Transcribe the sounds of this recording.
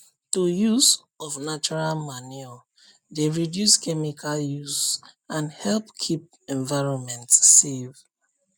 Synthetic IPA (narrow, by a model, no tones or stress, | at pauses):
tujuz | ɔfnat͡ʃɔɹalmaniɔ | deɹidjuskɛmikʰaljuzãnhɛlpkʰip̚ | ɛ̃ɱvaɪɹɔ̃nmɛ̃ntsːev